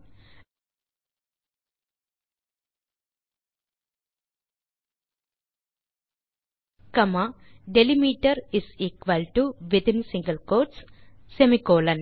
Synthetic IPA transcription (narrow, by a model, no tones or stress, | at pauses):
kɐmaɖelimiːʈɐɾisiːkʋɐlʈuʋit̪insĩŋɡəlkoːʈs | semikoːlɐ̃n